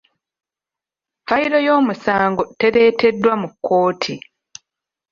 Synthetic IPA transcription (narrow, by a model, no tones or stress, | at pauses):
fajiɾo̞jo̞ːmusaːŋɡo̞te̞ɾe̞ːtʰe̞dːwamukːo̞ːtʰi